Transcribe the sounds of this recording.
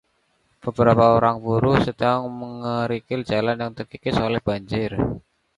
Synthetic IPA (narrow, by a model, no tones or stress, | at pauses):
b̥əb̥əɾapaoɾaŋbuɾʊhsədaŋməŋəɾikɪld͡ʒalanjaŋt̪ərkikɪsolɛhb̥aɲd͡ʒɪr